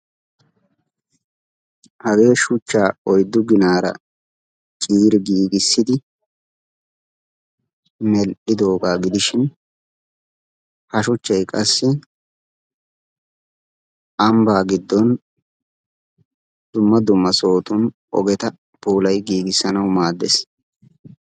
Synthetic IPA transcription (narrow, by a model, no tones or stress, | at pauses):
hɐɡe̞ːʃʊt͡ʃːaːɔjd̪ːʊɡɪnaːɾɐ̰ | t͡ʃʼiːɾɡiːɡɪsːɪd̪ɪ | mɛlʔɪd̪o̞ːɡaːɡɪd̪ɪʃɪn | hɐʃʊt͡ʃːɐjkʼɐsːɪ | ʔɐmbaːɡɪd̪ːɔn | d̪̥ʊmːɐd̪ʊmːɐso̞ːt̪ʊn | ʔɔ̰ɡɛt̪ɐ | b̥uːlɐjɡiːɡɪsːɐnɐwmaːd̪ːḛs